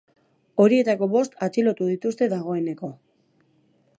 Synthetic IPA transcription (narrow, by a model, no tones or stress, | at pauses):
o̞ɾie̞t̪ako̞βo̞st̪at͡silo̞t̪uðit̪ust̪e̞ðaɣ̞o̞e̞ne̞ko̞